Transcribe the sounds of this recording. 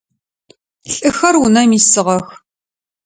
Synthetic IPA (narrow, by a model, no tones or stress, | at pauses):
ɬʼɨxɐrunɐmiːsɨʁɐx